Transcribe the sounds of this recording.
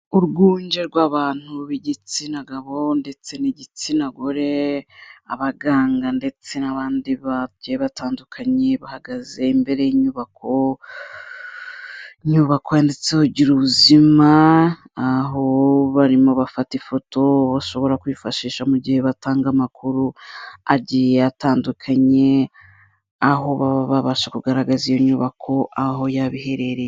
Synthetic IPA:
uɾɡuːɲɟe̞ɾɡwaːβaːn̥huβiɟit͡sinaɡaβo̞nde̞t͡se̞niɟit͡sinaɡoɾe̞ | a̰βaɡaːŋɡande̞t͡se̞naβaːndiβaɟeβataːndukʰaɲe̞βahaɡaze̞imbe̞ɾe̞jiɲuβakʰo̞ | iɲuβakojandet͡sehuɟiɾuβuzimaː | ɦo̞βaɾimo̞βafatifo̞to̞βaʃo̞βo̞ɾakuifaʃiːʃamuɟihe̞βataːŋɡamakuɾuaɟijeataːndukʰaɲe̞ | aɦo̞βaβaβaβaʃakuɡaɾaɡazijo̞ɲuːβakʰo̞ʔaɦo̞jaβihe̞ɾe̞ɾe

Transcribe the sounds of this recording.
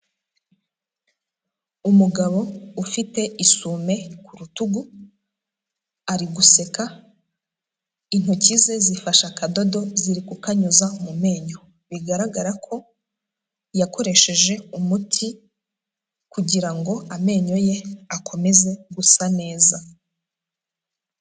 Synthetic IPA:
umuɡaβo̞ufite̞ʔisume̞kuɾutuɡu | aɾiɡuse̞ka | in̥hucize̞zifaʃakado̞do̞ziɾikukaɲuzamume̞ːɲo̞ | βiɡaɾaɡaɾakʰo̞ | jako̞ɾe̞ʃe̞ʒe̞umutʰi | kuɟiɾaŋɡo̞ame̞ːɲo̞je̞akʰo̞me̞ze̞ɡusane̞ːza

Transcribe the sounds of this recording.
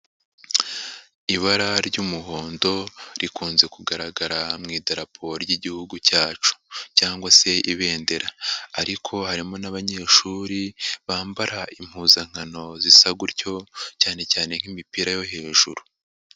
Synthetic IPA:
iβaɾaɾɟuːmuɦo̞ːndo̞ɾikuːnze̞kuɡaɾaɡaɾamŋiːdaɾapʰoɾoɟiɟihuɡucaːt͡ʃu̥caːŋɡwase̞ʔiβe̞ːnde̞ɾaːɾikʰo̞haɾimo̞naβaɲe̞ːʃuːɾiβaːmbaɾaim̥huːzaŋ̥ano̞zisaɡuɾɟo̞caːne̞caːne̞ŋ̥imipiɾajo̞ɦe̞ːʒuɾu

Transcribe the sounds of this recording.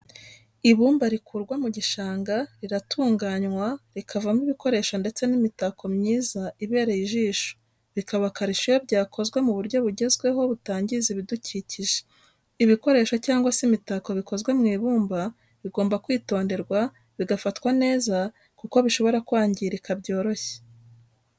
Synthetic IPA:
iβuːmbaɾikʰuɾɡwamuɟiʃaːŋɡaɾiɾatʰuːŋɡaɲwaɾikʰavamiβiko̞ɾe̞ːʃonde̞t͡se̞nimitako̞mɲiːzaiβe̞ːɾejiʒiːʃo̥ | βikaβakaɾiʃijo̞βɟaːkʰo̞zɡwe̞muβuɾɟo̞βuɾɟe̞zɡwe̞ɦo̞βutaːɲɟiziβiduciːciʒe̥ | iβiko̞ɾe̞ːʃo̞caːŋɡwasimitako̞βiko̞zɡwe̞mŋiːβuːmba | βiɡo̞ːmbakwiːto̞ːnde̞ɾɡwa | βiɡafatkwane̞ːza | kuko̞βiʃo̞βo̞ɾakwaːɲɟiɾikabɟo̞ːɾo̞çe̥

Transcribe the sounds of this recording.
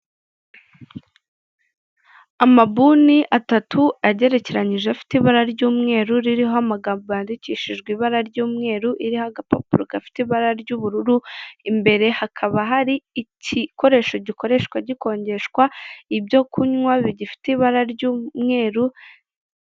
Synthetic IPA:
amabuniʔatatʰuaɟe̞ɾe̞ce̞ɾaɲiʒeafi̥tiβaɾaɾɟuːmŋe̞ːɾuɾiɾiɦoamaɡaːmboβjaːndiciʃiʒɡwiːβaɾaɾɟuːmŋe̞ːɾuʔiɾihoaɡapa̰puɾoɡafi̥tiβaɾaɾɟuβuɾuɾuimbe̞ɾe̞hakʰaβaɦaɾiːciko̞ɾe̞ːʃo̞ɟiko̞ɾe̞ʃkwaɟiko̞ːɲɟe̞ʃkwaibjo̞kuɲŋwaβiɟifi̥teiβaɾaɾɟuːmŋe̞ːɾu

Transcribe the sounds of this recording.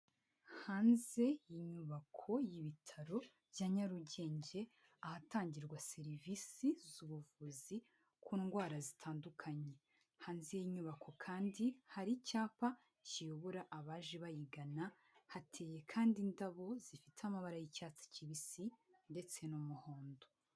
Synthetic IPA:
haːnze̞jiɲuβakʰo̞jiβitʰaɾo̞ | vjaɲaɾuɟe̞ːɲɟe̞ | ahataːɲɟiɾɡwase̞ɾivisizuβuvuzi | kʰuːnɡwaːɾazitʰaːndukʰaɲe̞ | haːnzejiɲuβakʰo̞kʰaːndihaɾicaːpa | cijo̞βoɾaʔaβaːʒeβajiɡana | hatʰe̞ːje̞kʰaːndindaβo̞z̥ifitamaβaɾajicaːt͡si̥ciβisinde̞t͡se̞nomuhoːndo

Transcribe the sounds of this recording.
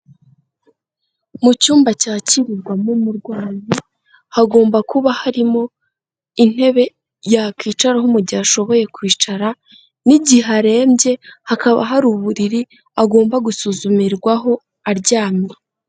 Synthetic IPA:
mucuːmbacaːciɾiɾɡwamumuɾɡwaːɲi | haɡo̞ːmbakuβahaɾimo̞ | in̥e̞βe̞ | jakiːt͡ʃaɾahumuɟaaʃo̞βo̞je̞kwiːt͡ʃaɾa | niɟiɦaɾe̞ːmbje̞hakaβa̰ɦaɾuːβuɾiɾi | aɡo̞ːmbaɡusuzumiɾɡwaɦo̞ | aɾɟaːmie

